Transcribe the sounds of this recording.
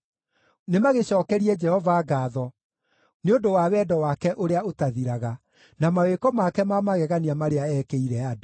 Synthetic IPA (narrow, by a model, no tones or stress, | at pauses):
nemaɣeɕɔːkɛɾiɛd͡ʒɛhɔvaːɡaːðɔ | neodowawɛdɔwakɛʔoɾeaotaðiɾaɣa | namawekɔmakɛmamaɣɛɣaniamaɾeaɛkeiɾɛado